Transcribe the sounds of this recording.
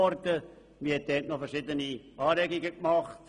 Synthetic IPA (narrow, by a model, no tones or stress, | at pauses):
ɔɾtə | ʋiɪhɛt̚dɛːtnɔfɛɾʃɪdəniʔɑːɾɛɡiɡəkmɑχt